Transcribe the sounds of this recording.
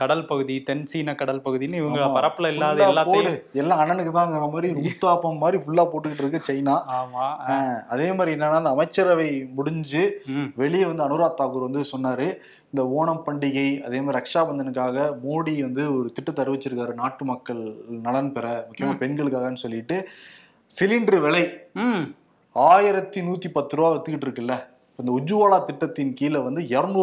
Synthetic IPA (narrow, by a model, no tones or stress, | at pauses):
kɐɽɐlpɐɣɯðit̪ɛnsiːnɐkɐɽɐlpɐɣɯðinːɪʋɐɡɐpɐɾɐpːɯlɐɪlːaːðalːaːpoːɽɯɛlːãːɐɳɐnɯkːɯt̪ãːɪnnɐmaːd̪ɾiɾuːt̪ːaːpɐmmːaːd̪ɾifʊɭːaːpoːʈːɯkːɪʈːɪɾɯkːɯt͡ʃɐjnaːaːmaɐðeːmaːd̪ɾiɪɛnːɐnaːɪnd̪ɐmɐɪt͡ʃːɐɾɐʋɐɪmʊɽɪɲd͡ʒɯʋɛɭɪjɛʋɐnd̪ɯɐnɯɾaːt̪ːaːkuɾʋɐnd̪ɯsɔnːaːɾɯ | ɪnd̪ɐoːɳɐmpɐɳɖɪɣɐɪɐ̰ðeːmaːdɾiɾɐkʂaːbɐnd̪ɐnɯkːaːɣɐmoːɽiʋɐnd̪ɯɔɾɯt̪ɪʈːɐt̪ːɐɾɯʋɪt͡ʃːɯɾɯkːaːɾɯnaːʈːɯmɐkːɐɭnɐlɐnpɛɾɐmʊkːɪjɐmaːpɛnɡɐɭɯkːaːɣɐnːɯsɔlːɪʈːɯ | sɪlɪɳɖɾɯʋɛɭɐɪ | aːjɪɾɐt̪ːinuːt̪ːipɐt̪ːɾɯʋaːʋɐt̪ːɯkːɪʈːɪɾɯkːɐlːɐ | pːoːɪnd̪ɐʊɲd͡ʒɯʋaːɭaːt̪ɪʈːɐt̪ːɪnkiːlɐʋɐnd̪ɯɛɾn